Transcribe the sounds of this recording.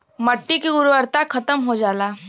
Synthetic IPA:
mɐʈːikiɡʊɾʋəɾt̪akʰɐt̪əmɦod͡ʒaːlaː

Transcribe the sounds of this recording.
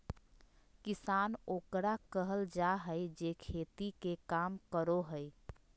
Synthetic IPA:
kisanokɾakəɦəld͡ʒaɦəjd͡ʒekʰet̪ikekamkəɾoɦəj

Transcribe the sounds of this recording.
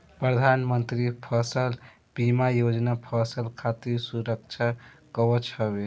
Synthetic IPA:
pɾəd̪ʱanmənt̪ɾipʰəsəl | b̥imajod͡ʒnapʰəsəlkʰat̪iɾsuɾək̚t͡ʃʰakəbət͡ʃʰəβe

